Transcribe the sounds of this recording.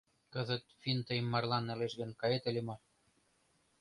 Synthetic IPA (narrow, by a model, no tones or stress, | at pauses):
kɤ̆zə̆t̪fʲint̪əjmːɑrlɑnːɘ̆leʃɣə̆nkɑjet̪ə̆lʲemɑ